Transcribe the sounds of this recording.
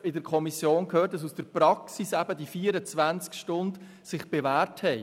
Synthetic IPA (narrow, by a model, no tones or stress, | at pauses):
ɪdəɾkʰɔmisjoːnkʰhøːt̚d̥ɑsusd̥əɾpɾɑksisæbədifiːəɾət͡sʋænt͡skʃtʊnd | sɪχb̥evæːrthɛɪ